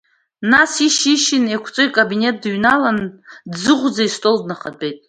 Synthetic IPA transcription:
nasiʃiʃinekʷʰt͡sʼɨikʼabine̞t̚ʼdɥnalandzɨʁʷd͡zaistʼo̞ldnaχabe̞jtʼ

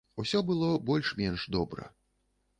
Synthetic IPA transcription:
usʲɔbɨlˠɔbɔlʲʂmʲɛnʂd̪ɔbɾɐ̰

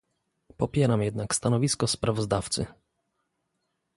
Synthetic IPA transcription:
pɔpʲjɛɾamjɛd̪nakst̪anɔvʲiskɔspɾavɔzd̪aft̪sɘ̰

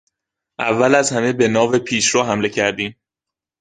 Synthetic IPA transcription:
ʔævːælæzhæme̞be̞nɒːve̞pʰiːʃɾɔːɦæmle̞cʰæɾd̪iːm

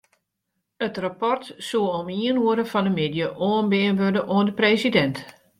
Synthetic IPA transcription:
ətrapɔrtsuəomiənuəɾəfɔndəmedjəʔoːənbɪənʋødəʔoəndəpreːsidɛnt

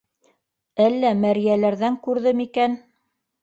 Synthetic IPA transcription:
ælːæmæɾijælæɾðæŋkʉɾðɘmikæn

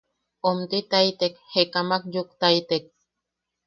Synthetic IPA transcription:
omt̪it̪ait̪ekhekamakjukt̪ait̪ek̚

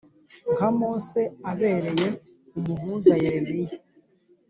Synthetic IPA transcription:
ŋkamoːse̞aβe̞ːɾe̞je̞ | umuɦuːnzajeβije

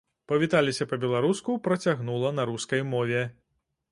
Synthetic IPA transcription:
pɐvʲit̪alʲisʲɐpɐbʲɛlˠaɾuskupɾɐt͡sʲaɣnulˠɐnɐɾuskɐjmɔvʲɛ

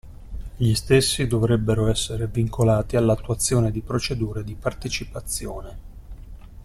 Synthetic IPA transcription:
ʎist̪esːid̪ovɾɛbːeɾoɛsːeɾeviŋkolaːt̪ialːat̪ːuwat̪sːjoːned̪ipɾot͡ʃed̪uːɾed̪ipart̪et͡ʃipat̪sːjoːne

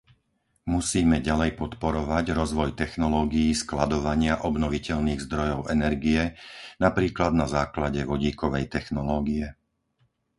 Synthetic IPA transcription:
musiːmɛɟalɛjpɔt̪pɔɾɔʋaɟɾɔzʋɔjt̪ɛxnɔlɔːɡijiːsklad̪ɔʋaɲɪaʔɔbnɔʋicɛʎniːɣzd̪ɾɔjɔʊɛnɛɾɡijɛnapɾiːklad̪̚nazaːklaɟɛʋɔɟiːkɔʋɛjt̪ɛxnɔlɔːɡijɛ

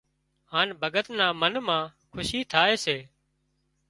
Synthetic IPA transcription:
haːnbʱəɡət̪nãːmənmãːkʰʊʃiːt̪ʰaːeːseː

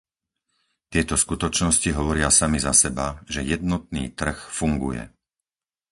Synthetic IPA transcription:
t̪ɪɛt̪ɔskut̪ɔt͡ʃnɔsciɦɔʋɔɾɪasamizasɛbaʒɛjɛd̪nɔt̪̚nḭːt̪r̩xfuŋɡṵjɛ̰

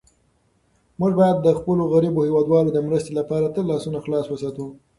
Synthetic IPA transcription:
muʒbɑjad̪ːəxpəloɣaɾibohewɑd̪wɑlod̪əmɾəst̪elapɑɾat̪əlːɑsunaxlɑswəsɑt̪u

